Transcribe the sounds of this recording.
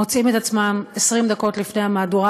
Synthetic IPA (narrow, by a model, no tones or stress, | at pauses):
o̞t͡simet̪at͡smamesʁimd̪ako̞tlifne̞jhamaːduʁa